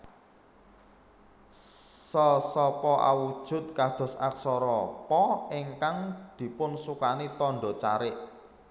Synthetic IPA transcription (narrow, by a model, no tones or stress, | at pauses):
sɔsɔpɔʔa̰wud̥ʒ̥ʊ̤t̪̚kad̪̥ɔ̤sa̰ksɔɾɔpɔɪŋkaŋd̪̥i̤pʊnsukanit̪ɔɳɖɔt͡ʃaɾɪʔ